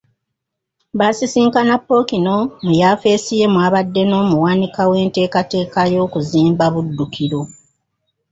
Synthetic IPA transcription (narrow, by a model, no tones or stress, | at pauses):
βasisiːŋkanapːo̞kino̞mujafe̞ːsije̞mwaːβadːe̞no̞ːmuwaːnikawe̞ːnte̞ːkate̞ːkajo̞ːkuziːmbaβudːukiɾo̞